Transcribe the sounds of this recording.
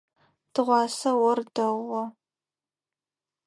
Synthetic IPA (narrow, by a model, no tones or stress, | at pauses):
d̥ɨʁʷɑːsɐwɔrdɐʁʷɔ